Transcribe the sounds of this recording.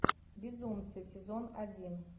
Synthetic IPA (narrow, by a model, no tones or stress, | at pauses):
bʲɪzumt̪sɨsʲɪzonɐdʲin